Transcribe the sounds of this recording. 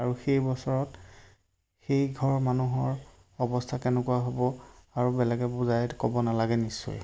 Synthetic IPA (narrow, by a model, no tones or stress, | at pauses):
aɹuxejbɔsɔɹɔt | xejɡʱɔɹmanuɦɔɹ | ɔbɔstʰakɛnɛkuwaɦobɔaɹubɛlɛɡɛbuzajtkɔbɔnalaɡɛnisʊ̰j